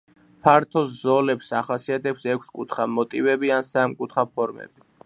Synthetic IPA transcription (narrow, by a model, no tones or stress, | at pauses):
pʰaɾt̪ʰɔszɔlɛpsaχasiat̪ʰɛpsɛkʷʰskʼut̪ʰχamɔt̪ʼivɛbiansamkʼut̪ʰχapʰɔɾmɛ̰bi